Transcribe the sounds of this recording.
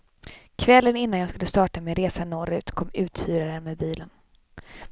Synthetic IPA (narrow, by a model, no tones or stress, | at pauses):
kʰvɛlːənɪn̪ːanjɑːɡskɵlːəst̪ɑːʈamɪnɾeːsanɔɾʉ̟ːt̪kʰɔmːʉ̟ːt̪fyːɾaɾəmɛːbiːlən